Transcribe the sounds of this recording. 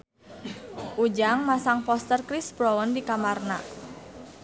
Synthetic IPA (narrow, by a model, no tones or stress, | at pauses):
ʔud͡ʒaŋmasaŋpɔst̪ərkɾisbɾɔwɔndikamarna̰